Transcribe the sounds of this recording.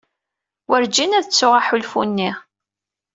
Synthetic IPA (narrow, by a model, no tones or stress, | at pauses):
wʔəɾd͡ʒinæðət͡sːʊʁaħulfṵnːiʁ